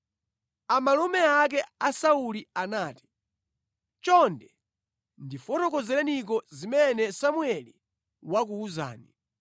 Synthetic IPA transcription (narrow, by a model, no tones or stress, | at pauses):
amalɔmɛak̬ɛasaulianaːti̥ | t͡ʃɔndɛ | ndifɔtɔkɔzɛlɛnik̬ɔzimɛnɛsamuɛli | wak̬uuza̰ːni